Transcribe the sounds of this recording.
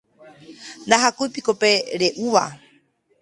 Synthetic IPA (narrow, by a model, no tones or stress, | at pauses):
nd̪aɦakujpikopeɾeʔuʋa̰